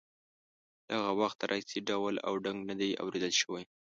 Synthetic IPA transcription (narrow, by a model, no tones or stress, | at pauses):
d̪̥aɣawaxt̪ɾʔasiɖawla̰wɖaŋɡnad̪aja̰wɾed̪əlʃəwaj